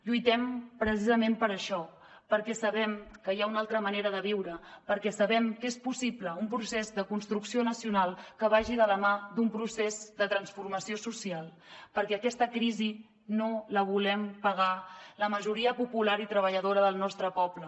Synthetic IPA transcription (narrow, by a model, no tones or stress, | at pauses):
ʎujt̪ɛmpɾəs̬izəmempəɾəʃɔ | pəɾkɛsəβɛmkəjaunalˠt̪ɾəməneɾəðəβ̞iwɾəpəɾkɛsəβɛmkespusipləumpɾusezðəkunst̪ɾuksionəsiunalˠkəβaʒiðələmad̪umpɾusezd̪ət̪ɾənsfurməsiosusialˠ | pəɾkɛəkɛst̪əkɾizi | noləβ̞ulɛmpəɣaləməʒuɾiəpupulaɾit̪ɾəβ̞əʎəðoɾəðəlˠnɔst̪ɾəpɔplə